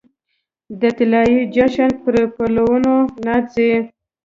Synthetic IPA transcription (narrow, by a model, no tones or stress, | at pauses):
d̪ət̪ɪlɑjid͡ʒaʃanpəɾpalawunonat͡se